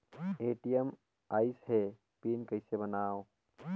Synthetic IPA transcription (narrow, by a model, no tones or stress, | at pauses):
eːʈijəm | aːɪsɦɛ | piːnkɐɪsebɐnaːo